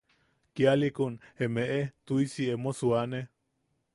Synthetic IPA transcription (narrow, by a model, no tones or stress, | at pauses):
kjalikunemeʔet̪uisiemosuane